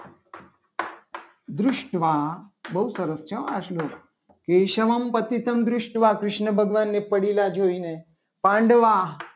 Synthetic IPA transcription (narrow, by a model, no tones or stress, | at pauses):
d̪ɾʊʃʈʋabəusəɾəst͡ʃʰə̃a̰ʃlo | keʃəʋəmpət̪it̪əmd̪ɾʊʃʈʋakɾɪʃnəbʱəɡʋanːepəɽilad͡ʒoine | pãːɳɖʋa